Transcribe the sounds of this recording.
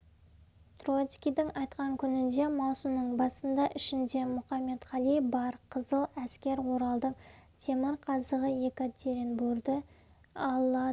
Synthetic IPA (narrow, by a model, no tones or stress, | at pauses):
t̪rot̪skʲijd̪ɪŋɑjt̪qɑŋkʲʰʏnɪnd̪e̞mɑwsəmnəɴbɑsənd̪ɑʔɪʃɪnd̪e̞mʊχɑme̞t̪χɑlˠijbɑɾqʰəzəlˠæskʲe̞ɾwo̞ɾɑlˠd̪əqt̪ʲʰe̞mɪɾqʰɑzəʁəje̞kat̪ʰʲeɾenbuɾd̪ə | ɑɑ